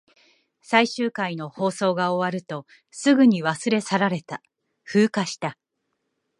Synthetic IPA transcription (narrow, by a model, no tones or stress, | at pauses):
saiɕɨːkaino̞ho̞ːso̞ːɡao̞βaɾɯ̟t̪o̞ | sɨɡɯ̟ɲ̟iβasɨɾe̞saɾaɾe̞t̪a | ɸɯ̟ːkaɕi̥t̪a